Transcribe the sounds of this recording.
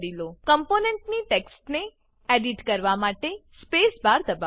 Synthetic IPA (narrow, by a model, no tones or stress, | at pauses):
ɾilokəmponeɳʈniʈeksʈne | eɖiʈkəɾʋamaʈespesbaɾd̪əba